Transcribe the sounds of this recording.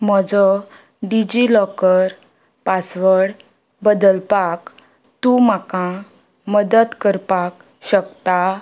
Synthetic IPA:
mɔd͡zɔ | ɖid͡ʑilɔkəɾ | pasʋəɽ | bəd̪əlpak | t̪ũmakã | məd̪ət̪kəɾpak | ɕəkt̪a

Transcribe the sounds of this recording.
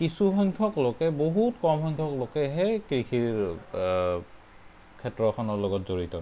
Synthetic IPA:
kisuxɔŋkʰɔklokɛboɦutkɔmɦɔŋkʰɔklokɛɦɛkikʰiɹ | kʰɛtɹɔxʰɔnɔɹlɔɡɔtzoɹitɔ

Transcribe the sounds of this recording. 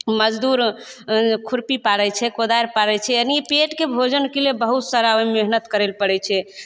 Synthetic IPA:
məd͡ʒd̪uɾ | kʰuɾpipaɽɛt͡ʃʰɛkod̪aɾpaɽɛt͡ʃʰɛəniepeʈkebʱod͡ʒənkelebəɦut̪saɾaojmeɦnət̪kəɾɛlpəɽɛt͡ʃʰɛ

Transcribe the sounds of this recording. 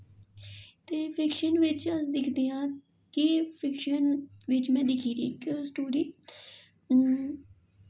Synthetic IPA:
t̪eːpʰɪkʃənʋɪt͡ʃəsd̪ɪkʰd̪eːãː | kɪpʰɪkʃənʋɪt͡ʃmɛ̃ːd̪ɪkʰiːɾḭːksʈoːɾiː

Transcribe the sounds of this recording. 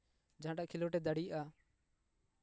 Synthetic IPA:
d͡ʒãːɗaʔkʰɪloːʈeːd̪əɽiːʔaː

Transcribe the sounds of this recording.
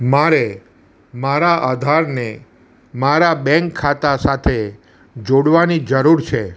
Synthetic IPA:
maɾe | maɾaʔad̪ʱaɾne | maɾabɛ̃ŋkʰːat̪asat̪ʰe | d͡ʒoɽʋanid͡ʒəɾuɾt͡ʃʰe

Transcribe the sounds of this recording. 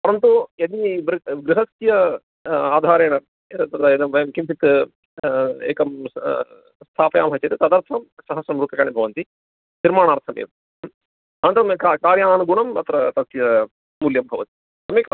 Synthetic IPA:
pɐɾɐnt̪ued̪iʋɾɡɾɪɦɐsjɐ | aːd̪ʱaːɾeːɳɐ | t̪ɐt̪ed̪ɐʋɐjɐmkimpʰit̪ | ḛːkɐm | st̪ʰaːpɐjaːmɦɐt͡ʃɐɾit̪ɐd̪ɐɾt̪ʰɐmsɐɦɐsɾɐmɾut̪ɐkaːɳibʱɐʋɐnt̪i | niɾmaːɳaːɾt̪ʰɐmḛːt̪ | ɐnnt̪ɐɾɐmkakaːɾjaːnuɡuɳɐmɐt̪ɾɐt̪ɐsjɐ | muːljɐmbʱɐʋɐt̪i̥ | t̪ɐmeːk

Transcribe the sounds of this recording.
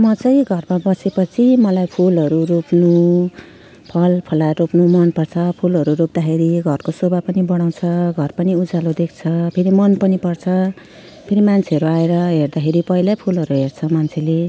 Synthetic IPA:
mʌt͡sʌj̃ɡʱʌrmabʌsepʌt͡sʰimʌlajpʰulɦʌɾuropnu | pʰʌlpʰʌlaropnumʌnpʌrt͡sʰʌpʰulɦʌɾuɾok̚d̪akʰeɾiɡʱʌrkosobapʌnibʌɽ̃aw̃t͡sʰʌɡʱʌrpʌniud͡zalod̪ek̚ʰt͡sʰʌpʰeɾimʌnpʌnipʌrt͡sʰʌ | pʰeɾimant͡sʰeʌɾuaeɾʌɦerd̪akʰeɾipʌɦilapʰulɦʌɾuɦert͡sʰʌmant͡sʰele

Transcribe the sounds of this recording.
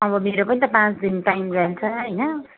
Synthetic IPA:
ʌbʌmeɾopʌnit̪ʌpãt͡sd̪inʈajmrʌlt͡sʰʌɦʌjnʌ

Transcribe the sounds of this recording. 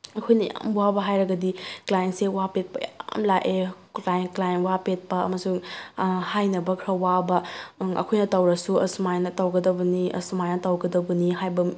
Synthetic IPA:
ɐkʰojnɐja̰mwabɐɦajɾɐɡɐdiklajentsewapet̚pɐjamlaʔe | lajnklajenwapet̚pɐɐ̰mɐsu | hajnɐbɐkʰɾɐwabɐɐ̰kʰojnɐtɐwɾɐsuɐsumajnɐtɐwɡɐdɐbɐniɐ̰sumajnɐtɐwɡɐdɐbɐniɦajbɐ

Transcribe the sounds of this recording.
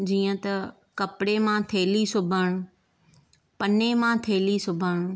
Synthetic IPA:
d͡ʑiːə̃t̪ɐ | kɐpɪɽemãt̪ʰeːlisʊbʱəɽ̃ʊ | pɐnemãt̪ʰeːlisʊbʱəɽ̃ʊ

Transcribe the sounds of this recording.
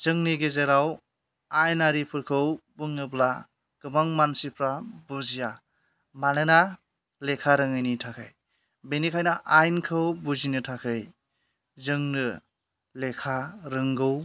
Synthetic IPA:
z̥ɯŋniɡezeɾaw | ajnaɾipʰɯɾkʰɯwbɯŋnɯbla | ɡ̥ɯmaŋmansipʰɾabuzija | manɯna | lekʰaɾɯŋɯjnitʰakʰɯj | benikʰajnaʔajnkʰɯwbuzinɯtʰakʰɯj | zɯŋnɯ | lekʰaɾɯŋɡɯw

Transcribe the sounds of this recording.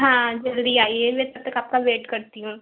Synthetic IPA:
ɦãːd͡ʒɐld̪iaːiemɛ̃ːt̪ɐt̪ekap̚kaʋeːʈkɐɾt̪iɦũː

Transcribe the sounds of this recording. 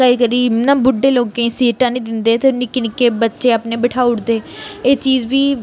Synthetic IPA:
əiːkəɾiːmnãːbʊɖːeːloːkːẽːsiːʈãːnĩːd̪ɪnd̪eːt̪enɪknɪkeːbətːʃeːaːpnẽːbəʈʰaːuʊɽd̪eːeːt͡ʃiːd͡ʒʋiː

